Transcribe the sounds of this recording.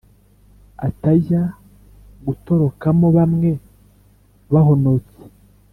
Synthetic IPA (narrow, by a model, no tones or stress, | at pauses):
a̰taja | ɡuto̞ɾo̞kamoβamŋe̞ | βaho̞no̞t͡se̥